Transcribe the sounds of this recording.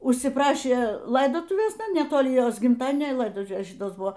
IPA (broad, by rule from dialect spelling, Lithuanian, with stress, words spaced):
ʊʃʲsʲɪˈprɑːʃʲeː ˈlˠɐɪdoːtʊʋʲeːs nʲɛtoːˈlʲɪ ˈjoːs ɡʲɪmˈtɑːdʲiɛnʲoː ɪ ˈlˠɐɪdoːtʊʋʲeːs ˈʃʲɪtoːs ˈbʊʋoː